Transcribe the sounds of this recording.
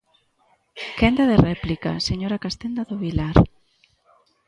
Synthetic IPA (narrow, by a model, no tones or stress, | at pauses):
kend̪aðerɛplika̰seɲoɾakast̪end̪aðoβilaɾ